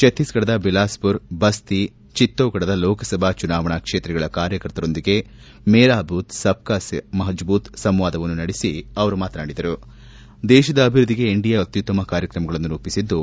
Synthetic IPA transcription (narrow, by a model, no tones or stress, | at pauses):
ʃɐt̪ːisɡɐɽɐd̪ɐbilaːspuɾbɐst̪i | t͡ʃit̪ːoːɡɐɽɐd̪ɐlɔːkɐsɐbʱat͡ʃunaːʋɐɳakʂeːt̪ɾɛɡɐɭɐkaːɾjɐkɐɾt̪ɐɾo̞nd̪iɡe̞ | mɛːɾaːbuːt̪sɐp̚kaːsmɐɦɐd͡ʒbuːt̪sɐmʋaːd̪ɐʋɐnːunɐɽesiɐʋɐɾumaːt̪ɐnaːɽid̪ɐɾu | d̪ɛːʃɐd̪ɐːbʱiɾud̪ːiɡe̞ːɳɖijaot̪ːjut̪ːɐmɐkaːɾjɐkɾɐmɐɡɐɭɐnːuɾuːpisid̪ːu